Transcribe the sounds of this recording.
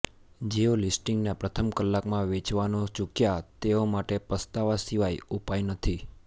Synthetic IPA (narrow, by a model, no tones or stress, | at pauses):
d͡ʒeolisʈiŋɡnapɾət̪ʰəmkəlːakmãʋet͡ʃʋanot͡ʃukjat̪eomaʈepəst̪aʋasiʋajupajnət̪ʰi